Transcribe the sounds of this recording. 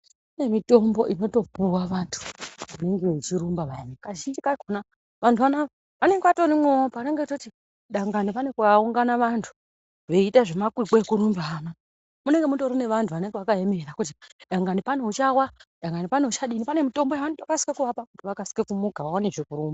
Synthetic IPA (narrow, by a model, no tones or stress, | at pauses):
pane̞mito̞mbo̞ʔino̞to̞puwaʋantʰu̥une̞ŋɡe̞ut͡ʃiɾumbaʋaenekaʒind͡ʒikakona | ʋantʰuʋana | ane̞ŋɡeʋato̞ɾimweopane̞ŋɡetoti | ɗaŋɡanipanekuʋauŋɡanaʋantʰu̥ | ʋe̞itaʐe̞makwiɡ͡beekuɾumbana | mune̞ŋɡe̞muto̞ɾineʋantʰuʋane̞ŋɡewakaemeɾakutiɗaŋɡanipaneut͡ʃawaɗaŋɡanipaneut͡ʃaɗinipane̞mito̞mbojaʋanitokasi̥kakuʋapakutiʋakasi̥kekumukaʋawaneʐekuɾumba